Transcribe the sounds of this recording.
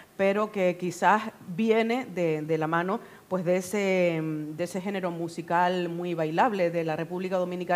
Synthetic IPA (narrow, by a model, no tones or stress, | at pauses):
pe̞ɾo̞ke̞kisasbje̞ne̞ðed̪e̞lamãno̞ | pwe̞zðesed̪ese̞xe̞ne̞ɾo̞musikalmwiβajlaβle̞ðelare̞puβlikaðo̞mĩnika